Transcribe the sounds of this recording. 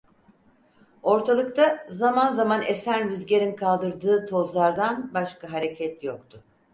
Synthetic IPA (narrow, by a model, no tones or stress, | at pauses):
o̞ɾt̪ʰalˠɯkt̪ʰazamanzamanesænɾyzɟeɾinkʰalˠd̪ɯɾd̪ɯːt̪ʰo̞zlˠaɾd̪anbaʃkaɦaɾe̞cʰɛt̪jok̚t̪ʰʊ